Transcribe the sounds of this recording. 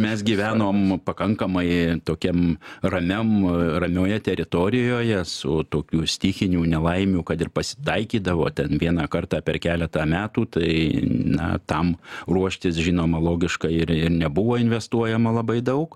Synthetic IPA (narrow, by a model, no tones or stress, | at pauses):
mʲɛsɡʲiʋʲæːnoːmpɐkɐŋkɐmɐɪt̪oːkʲɛmrɐmʲɛmrɐmʲoːjɛt̪ʲɛɾʲɪt̪oɾʲɪjoːjɛsʊt̪oːkʲuːsʲt̪ʲɪxʲɪnʲuːnʲɛlˠɐɪmʲuːkɐt̪ɪrpɐsʲɪ̥t̪ɐɪkʲiːd̪ɐʋoːt̪ʲɛnʋʲiɛnɑːkɐrt̪ɑːpʲɛrkʲæːlʲɛt̪ɑːmʲæːt̪uːt̪ɐɪnɐ̰t̪ɐmruɔʃʲt̪ʲɪsʒʲiːnoːmɐlˠoːɡʲɪʃkɐɪɪɾɪrnʲɛbʊʋoːɪnʲʋʲɛst̪uɔjɛmɐlˠɐbɐɪd̪ɐʊk